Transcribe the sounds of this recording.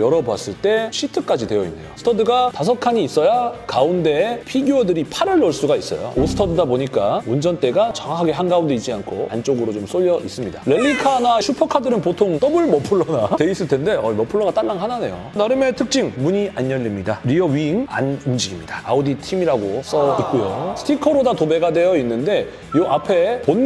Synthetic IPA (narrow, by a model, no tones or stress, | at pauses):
jʌɾʌbwas͈ɯɭt͈e̞ɕʰitʰɯk͈ad͡ʑidwe̞jʌḭnːe̞̰josʰɯ̥tʰʌdɯɡatas̬ʰʌkʰaɲiːs͈ʌjakaunde̞pʰiɡjuodɯɾipʰaɾɯɭːoɭs͈uɡais͈ʌ̰jo̰osʰɯ̥tʰʌdɯdaboɲik͈aund͡ʑʌnt͈e̞ɡat͡ɕʌŋɦakʰaɡe̞ɦanɡaunde̞id͡ʑiankʰo̰ant͡ɕ͈oɡɯɾot͡ɕoms͈oʎːʌʔis͈ɯmɲidaɾe̞ʎːikʰanat͡ɕʰupʰʌkʰadɯɾɯnpotʰoŋt͈ʌbɯɭmʌpʰɯɭːʌnate̞is͈ɯɭtʰe̞nde̞ʌimʌpʰɯɭːʌɡat͈aɭːaŋɦanane̞jo̰ | naɾɯmetʰɯk̚t͡ɕ͈iŋmuɲiaɲjʌʎːimɲidaɾiʌɥiŋa̰numd͡ʑiɡimɲidaa̰oditʰimiɾaɡos͈ʌik̚k͈ujo̰sʰtʰikʰʌɾodatobe̞ɡade̞jʌinːɯnde̞ | joʔapʰe̞ponː